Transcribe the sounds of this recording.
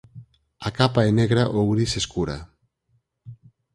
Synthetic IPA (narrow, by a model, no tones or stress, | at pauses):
akapaeneɣɾaʔowɾiseskuɾa̰